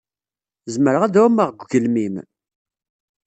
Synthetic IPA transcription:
zməɾəʁæðuməʁɡʷɡəlmim

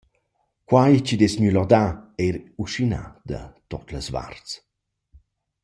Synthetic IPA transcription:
kwajt͡ʃid̪ɛsɲylɔd̪aɛɾuʃina̰d̪ɐ̰t̪ɔt̪ləsva̰rt͡s

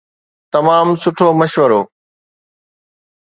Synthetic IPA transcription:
t̪ɐmaːmsʊʈʰomɐʃʋəɾoː

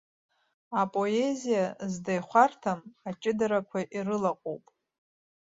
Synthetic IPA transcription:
apʼo̞ezijazdajχʷartʰamat͡ʃʼɪdaɾakʷʰaʔirɨlaqʼo̰wpʼ

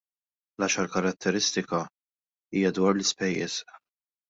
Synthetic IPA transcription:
lɐʃɐɾkɐɾɐt̪ʰːɛɾɪst̪ɪkɐ | iːjɐd̪wɐːɾlɪspɛjːɛ̰s

